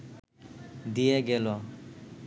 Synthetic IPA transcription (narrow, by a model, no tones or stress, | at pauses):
d̪ijeɡelɔ